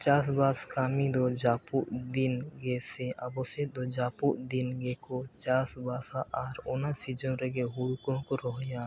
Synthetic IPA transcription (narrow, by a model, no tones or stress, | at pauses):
t͡ʃaːsbaːskaːmid̪od͡ʒaːpuʔd̪ɪnɡeːsẽʔabosed̪oːd͡ʒaːpuʔd̪ɪnɡeːkot͡ʃaːsbaːsaʔaːɾʊnasid͡ʒõɾeɡeɦuɽkõkoɾoɦjãː